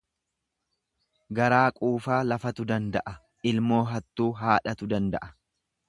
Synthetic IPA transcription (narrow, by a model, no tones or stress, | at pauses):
ɡɐɾaːkʼuːfaːlɐfɐt̪ʊd̪ɐnd̪ɐʔɐ | ɪlmo̞ːɦɐt̪ːuːɦaːᶑɐt̪ʊd̪ɐnd̪ɐ̰ʔɐ̥